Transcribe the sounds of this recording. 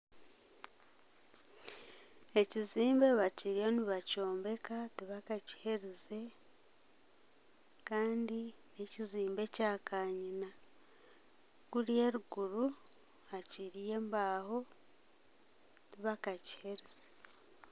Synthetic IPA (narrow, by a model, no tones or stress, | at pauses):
e̞ciziːmbe̞βaciɾijo̞niβaco̞ːmbe̞katiβakaci̥he̞ɾize̞ | kaːndine̞ciziːmbe̞caːkʰaɲina | kuɾie̞ɾuɡuɾu | aciɾije̞ːmbaːho̞ | tiβakaci̥he̞ɾiz̥e̥